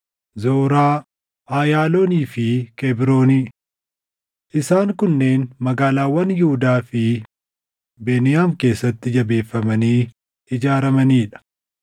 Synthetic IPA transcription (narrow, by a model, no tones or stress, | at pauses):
zoːɾaː | ʔaːjaːlo̞ːniːfɪkebɪɾo̞ːniː | ʔɪsaːŋkʊnːe̞ːnmɐɡaːlaːwɐnjʊhʊd̪aːfɪ | beːnɪjaːmke̞ːsːɐt̪ːɪd͡ʒɐbe̞ːfːɐmɐniː | ɪd͡ʒaːɾɐmɐniːᶑɐ̥